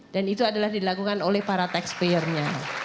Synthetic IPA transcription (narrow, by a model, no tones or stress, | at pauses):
danit̪uadalahdilakukanolɛhpaɾat̪ɛkspejərɲa